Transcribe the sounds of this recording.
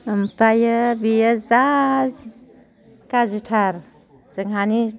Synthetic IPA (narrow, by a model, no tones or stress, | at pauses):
mpɾajəbijəzaz | kazitʰaɾ | z̥əŋɦani